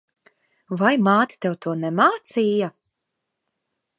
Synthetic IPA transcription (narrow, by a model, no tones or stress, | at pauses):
vajmaːt̪ʲi̥t̪ɛwt̪uɔnɛmaːt̪siːja